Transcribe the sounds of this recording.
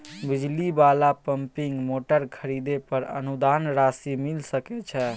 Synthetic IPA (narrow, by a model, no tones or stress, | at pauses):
bid͡ʒlibalapəmpiŋɡmoʈəɾkʰəɾid̪epəɾə̰nud̪anɾasimilsəkɛt͡ʃʰɛ